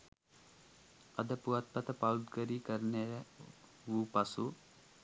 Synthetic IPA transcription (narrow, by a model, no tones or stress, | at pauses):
ɐd̪əpuʋat̪̚pɐt̪əpaud̪ɡəɾiːkəɾəne | ʋuːpasu